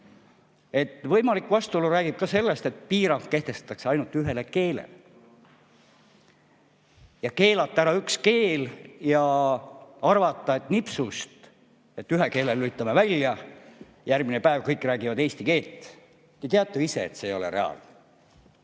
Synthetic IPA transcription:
e̞t̪ːˑvɤ̞jmɑlikːˑvɑst̪uoluɾæːɡ̥ib̥̚kɑse̞lːe̞st̪e̞t̪̚piːɾɑŋkke̞ht̪e̞st̪ɑ̥t̪ːˑɑkseɑjnult̪yɦe̞leke̞ːlḛl | jɑke̞ːlɑt̪ːɑæɾɑykske̞ːljɑ | ɑrvɑt̪ˑːɑe̞t̪ːnipsust̪ | e̞t̪ːyɦeke̞ːlelyit̪ːˑɑmevælʲjɑ | jærɡminepæevkɤjkːˑræːɡivɑd̪e̞ːst̪ike̞ːlt̪ːˑ | jɑt̪eɑt̪ːˑeise̞̰ːt̪seːjo̞lḛɾe̞̰ɑ̰ln

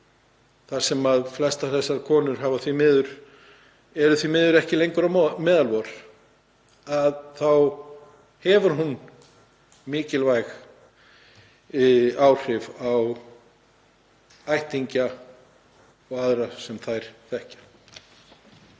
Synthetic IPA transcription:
θḁsɛmaðflɛst̪aθɛsːaɾkʰɔːnʏɾ̥ɦaːvaθvimɪːðʏɾ̥ | ɛɾʏθvimɪːðʏɾɛhcɪlejŋkʏɾamɛːðalvɔɾ̥ | aðθaw | hɛvʏɾ̥ɦun | mɪːcɪlvajx | aːwr̥ɪvaw | ajht̪iɲca | ɔɣaðɾasɛmθajɾ̥θɛhcḁ

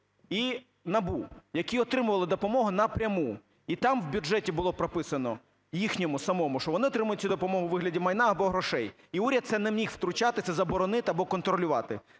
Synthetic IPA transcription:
i | nɐbujɐkʲiɔt̪ɾɪmʊʋɐlˠɪd̪ɔpɔmɔɦʊnɐpɾʲɐmu | it̪ɑmwbʲʊd͡ʒɛtʲibʊlˠɔpɾɔpɪsɐnɔ | jixnʲɔmʊsɐmɔmʊʃt͡ʃɔʋɔnɪɔt̪ɾɪmʊjʊtʲt͡sʲud̪ɔpɔmɔɦʊwʋɪɦlʲɐdʲimɐjnɑɐbɔɦɾɔʃɛj | iuɾʲɐd̪̚t̪sɛnɛmmʲixw̥t̪ɾʊt͡ʃɑt̪ɪt̪sɛzɐbɔɾɔnɪt̪ɪɐbɔkɔnt̪ɾɔlʲʊʋɑt̪ɪ

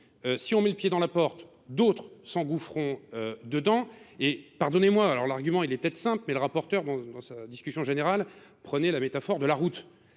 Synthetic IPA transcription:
øsiɔ̃mɛləpjed̪ɑ̃lapɔʁt̪ | d̪ot̪χsɑ̃ɡufχɔ̃ød̪əd̪ɑ̃epaʁd̪ɔnemwaːlɔʁlaʁɡʲymɑ̃ilɛpət̪ɛt̪χə̥sɛ̃plmɛləʁapɔʁt̪œʁd̪ɑ̃d̪ɑ̃sad̪iskʲysjɔ̃ʒeneʁalpχənɛlamet̪afɔʁd̪əlaʁut̪

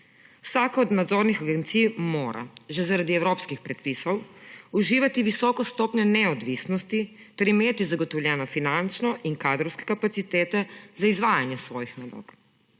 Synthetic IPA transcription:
wsakɔːd̪nad̪zoɾnixaɡɛnt̪sijmoːɾa̰ʒɛzaɾad̪iɛwɾoːpskixpɾɛt̪pisɔwuʒiːʋat̪iʋisɔːkɔst̪ɔːpɲɛnɛɔd̪ʋisnɔst̪i | t̪ɛɾimeːt̪izaɡɔt̪ɔwljɛːnɔfinant͡ʃnɔʔiŋkaːd̪ɾɔwskɛ̥kapat̪sit̪eːt̪ɛzaizʋaːjanjɛsʋɔːjixnalo̰ːk

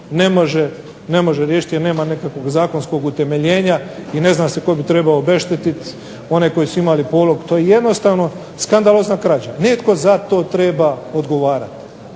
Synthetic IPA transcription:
ne̞moʒe | ne̞mo̞ʒeɾjeːʃi̥t̪jeɾne̞ːmanekakʋo̞ɡzaːko̞nsko̞ɡut̪e̞me̞ʎeːɲaine̞znaːse̞ko̞bit̪ɾebaoːbe̞ʃt̪et̪it̪ | o̞ne̞ko̞jisuimalipoːlo̞ɡut̪ojeje̞d̪no̞st̪aːʋno̞ | skand̪alˠoːznakɾaːd͡ʑanet̪ko̞zat̪o̞ːt̪ɾe̞ːbao̞d̪ɡo̞ʋaːɾa̰t̪

